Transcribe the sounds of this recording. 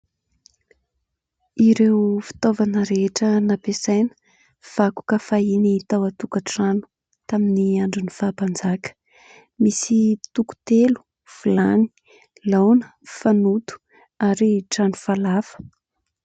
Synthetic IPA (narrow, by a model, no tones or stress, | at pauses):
iɾewfi̥t̪ovanəɾeʈ͡ʂənapesajnə̥ | v̥aku̥kafainit̪awat̪ukəʈ͡ʂanu̥ | t̪aminiaɳɖ͡ʐunifapand͡zakə̥ | misit̪uku̥t̪elu̥ | fulani̥ | lawnə̥fanut̪u̥ | aɾiʈ͡ʂanu̥falafə̥